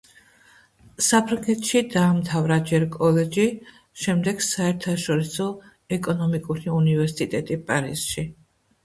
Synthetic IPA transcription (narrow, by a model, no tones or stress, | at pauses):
sapʰɾaŋɡɛt̪ʰʃid̪aːmt̪ʰavɾad͡ʒɛɾkʼɔlɛd͡ʒi | ʃɛmd̪ɛɡ̥saɛɾt̪ʰaʃɔɾisɔ | ɛkʼɔnɔmikʼuɾiunivɛɾsit̪ʼɛt̪ʼipʼaɾisʃi